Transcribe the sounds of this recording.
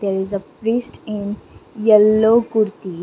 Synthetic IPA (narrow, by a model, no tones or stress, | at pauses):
d̪ɛɾɪzəpɾiːsʈɪ̃njəlːokuɾt̪i